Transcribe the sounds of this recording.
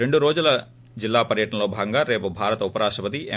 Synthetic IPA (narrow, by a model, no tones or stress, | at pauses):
eɳɖuɾoːd͡ʒulɐ | d͡ʒilːaːpɐɾjɐʈɐɳɐlo̞ːbʱaːɡɐŋɡaːɾe̞ːpubʱaːɾɐt̪ɐupɐɾaːʂʈɐpɐt̪̬iʔe